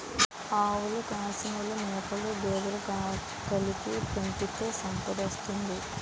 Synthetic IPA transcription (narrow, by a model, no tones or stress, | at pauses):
aːwulukaːsiŋulumɛːkɐlubɛːd̪ɐlɐk | kɐlipipɐɳʈit̪oːsɐmpɐd̪ist̪und̪i